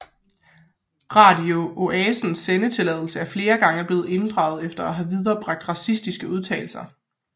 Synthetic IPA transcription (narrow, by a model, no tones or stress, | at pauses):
ʁɑ̈dio̝ʔoʔɛːsn̩sːenət͡sʰe̝lɛð̞̰ˠl̩səæɐfle̝ːɐɡ̥ɑ̈ŋəb̥le̝ːð̞̩ˠe̝nd̥ʁɑ̈ʊð̞̩ˠefd̥ɐæɦæʋið̞ˠɐːb̥ʁɑ̈ɡ̥̚d̥ʁɑ̈sisd̥isɡ̥əuð̞ˠt͡sʰɛ̰ːl̩sɐ